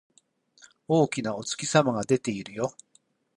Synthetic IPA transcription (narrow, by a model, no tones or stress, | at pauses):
o̞ːkʲinao̞t͡sɨ̥kʲisamaɡad̪e̞t̪e̞iɾɯ̟jo̞